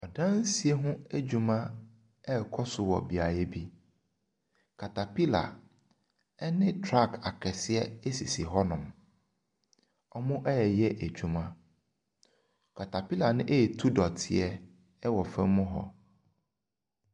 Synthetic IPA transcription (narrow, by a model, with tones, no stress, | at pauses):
ɔ˨dã˦n̩˦si˨e˦ɦʊ̃˦æ˦d͡ʑᶣu˨mã˦ | ɛ˦˨kʰɔ˦sʊ˨wɔ̰˨bi˨a˨jɛ˦bi˦ | kʰa˨tʰa˨pi˦la̰˨ | ɛ˦nɪ̃˦tʰɾa˦˨kʰa˨kʰɛ˨sɪ˦ɛ˦e˦si˨si˨ɦɔ˦nʊ̃˨m | ɔ˨mʊ̃˦ʔɛ˦ɛ˨jɛ˦ʔæ˨d͡ʑᶣu˨mã˦ | kʰa˨tʰa˨pi˦la˨nɪ̃˦ʔe˦˨tʰu˦dɔ˨tʰɪ̰˨ɛ˦ | ɛ˦wɔ˨fɛ̃˦mʊ̃˦ɦɔ̰˨